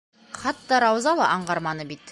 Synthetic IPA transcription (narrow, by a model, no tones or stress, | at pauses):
χɑt̪ːɑɾɑwzɑlˠɑʔɑɴʁɑɾmɑnɤbit̪